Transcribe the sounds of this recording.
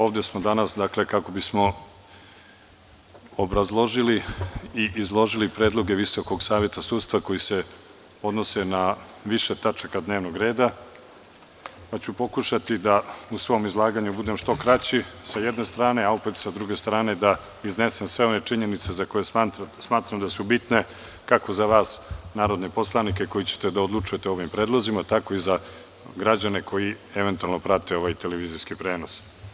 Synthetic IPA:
o̞ːʋd̪esmod̪anasd̪akle̞kako̞bismo̞ | obɾazlˠo̞ʒiliiʔizlˠo̞ʒilipɾeːd̪lˠo̞ɡe̞ʋiso̞ko̞ɡsaːʋje̞t̪asuːd̪t̪st̪vako̞jise̞ | o̞d̪no̞se̞na | ʋiʃet̪at͡ʂakad̪neʋnoɡɾe̞ːd̪a | pat͡ɕupo̞kuʃat̪id̪ausʋo̞mizlˠaːɡaɲubud̪e̞mʃt̪o̞kɾat͡ɕisajed̪ne̞st̪ɾaːne̞aupet̪sad̪ɾuɡe̞st̪ɾaːned̪a | izne̞se̞msʋe̞o̞ne̞t͡ʂiɲe̞nit̪se̞zako̞jesmaːt̪ɾamd̪asubit̪ne̞ | kako̞zaʋaːsnaːɾo̞d̪nepo̞slˠanikeko̞jit͡ɕe̥t̪e̞d̪aod̪lut͡ʂuje̞t̪eo̞ʋimpɾe̞ːd̪lˠozimat̪ako̞iza | ɡɾad͡ʑane̞kʰo̞ji | eʋe̞nt̪ualno̞pɾat̪e̞o̞ʋajt̪e̞leʋiːziskipɾe̞ːno̞s

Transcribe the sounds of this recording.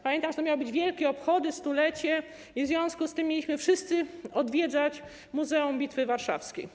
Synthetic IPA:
pamjɛnt̪aʐɛt̪ɔmjawɔbɘd͡ʑvʲjɛlkʲɛɔpxɔd̪ɘst̪ulɛt͡ɕɛ | ivzvʲjɔ̃ñskust̪ɘmʲːjelʲiɕmɘfʂɘst̪sɘɔd̪vʲjɛd̪zat͡ɕ | muzɛumbʲit̪fɘvaɾʂa̰fskʲḛj

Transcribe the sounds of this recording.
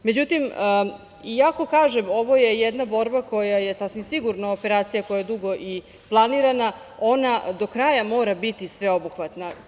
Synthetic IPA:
me̞d͡ʑut̪im | iako̞kaːʒemo̞ʋo̞je̞jed̪nabo̞ɾbako̞jaje̞sasʋimsiɡuɾnaope̞ɾaːt̪sijako̞jajed̪uɡo̞ʔi | plˠaniɾana | o̞nad̪o̞kɾajamo̞ːɾabit̪isʋe̞o̞buxʋat̪na

